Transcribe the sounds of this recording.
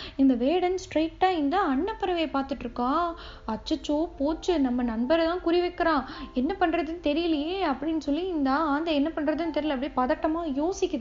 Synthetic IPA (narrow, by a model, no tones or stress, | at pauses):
ɪnd̪ɐʋeːɽɐnsʈɾɐɪk̚ʈːaːɪnd̪ɐɐɳːɐpːɐɾɐʋɐjɐpaːɾt̪ɯʈːɾɯkːãː | ɐt͡ʃːɐt͡ʃːoːpoːt͡ʃːɯnɐmːɐnɐnbɐɾt̪ãːkʊɾɪʋɛkːɐɾãːɛnːɐpɐɳɾɐðɯnt̪ɛɾɪjɐlɪjeːɐpːɐɽɪnːɯsɔlːiɪnd̪ɐaːnd̪ɐɛnːɐpɐɳːɾɐðɯnt̪ɛɾɪjlɐpːɐɽipɐðɐʈːɐmaːjoːsɪkʲːɐðɯ